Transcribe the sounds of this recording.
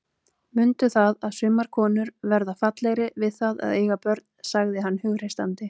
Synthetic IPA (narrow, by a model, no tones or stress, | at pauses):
mʏnt̪ʏθaðaðsʏmːaɾ̥kʰɔːnʏɾvɛɾðafat̪lejɾɪvɪðθaða̰ðeːjɣapœɾt̪nsaɣðɪɦanːhʏɣɾ̥ejst̪ant̪ɪ